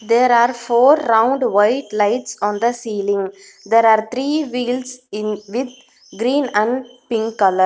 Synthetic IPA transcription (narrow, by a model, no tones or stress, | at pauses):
d̪eːɾaːɾfoːɾːãʊ̃ɳɖʋaɪʈlaɪʈsɔ̃ːnd̪əsiːlɪ̃ŋ | d̪eːɾaːɾt̪ʰɾiːʋiːlsɪ̃nʋɪd̪̚ | ɡɾĩːnæ̃ɳɖpɪ̃ŋkkːɐləɾ